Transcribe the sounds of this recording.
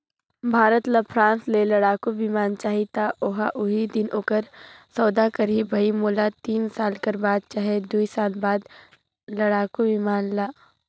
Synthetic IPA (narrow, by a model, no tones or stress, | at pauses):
bʱaːɾət̪ləpʰɾãːnslelɐɽaːkobʱimaːnt͡ʃaːɦit̪aoɦaʔʊɦid̪ɪnʔoːkəɾsɔːd̪akəɾiːbbʱɐimoːlat̪iːnsaːlkəɾbaːd̪̚t͡ʃaːɦed̪uisaːlbaːd̪ | lɐɽaːkobimaːnlaː